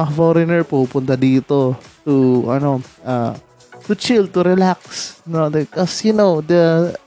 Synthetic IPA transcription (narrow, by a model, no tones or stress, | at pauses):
ɐɐfɔɾɪnɛɹpupʊnt̪ɐd̪iːt̪ot̪uʔɐno̞ʔa | t̪ʊt͡ʃɪl̚t̪ʊɾɛlak̚snod̪ɛkɔsjʊnowd̪ɐ